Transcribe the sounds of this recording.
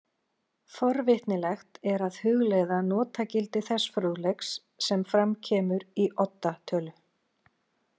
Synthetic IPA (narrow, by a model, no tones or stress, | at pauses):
fɔɾvɪht̪nɪlɛxt̪ɛɾaðhʏɣlejðanɔːt̪acɪlt̪ɪθɛsfɾoðlɛksː | ɛmfɾamcʰɛːmʏɾiʔɔt̪ːat̪ʰœːlʏ